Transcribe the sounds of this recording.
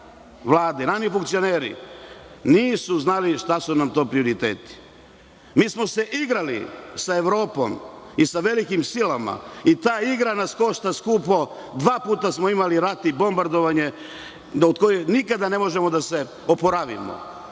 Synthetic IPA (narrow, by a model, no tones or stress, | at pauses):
ʋlˠaːd̪enaʃifuŋkt̪sijo̞neːɾḭ | niːsuznaliʃt̪asunamt̪o̞ːpɾio̞ɾit̪ḛːt̪i̥ | miːsmo̞se̞ʔiɡɾalḭsae̞ʋɾo̞ːpo̞̰misaʋelikimsilama̰it̪aːiɡɾanasko̞ʃt̪askuːpo | d̪ʋaːpuːt̪asmoimaliɾat̪ibo̞mbaɾd̪oʋaɲe̞ | od̪ko̞jenikad̪ane̞mo̞ʒemo̞d̪ase̞ | opoɾaʋḭmo̰